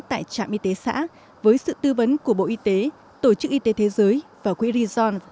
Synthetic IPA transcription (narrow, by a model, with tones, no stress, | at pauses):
t̪a̰ː˧˨jt͡ɕa̰ː˧˨mʔi˧t̪e˨˦sa̰ː˧˥ | vəː˨˦jsɨ̰˧˨t̪ɨ˧və˨˦nku˧˩əɓo̰˧˨ʔi˧t̪e˨˦ | t̪o˧˩t͡ɕɨ˦˥k̚ʔi˧t̪e˨˦t̪ʰe˨˦zəː˨˦jvaː˨˩kwḭ˧˥ɾi˧zɔ˧n